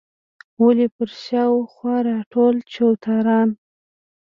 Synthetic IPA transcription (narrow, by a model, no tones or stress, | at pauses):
wʊlepəɾʃɑwxwɑɾɑʈolt͡ʃowt̪ɑɾɑn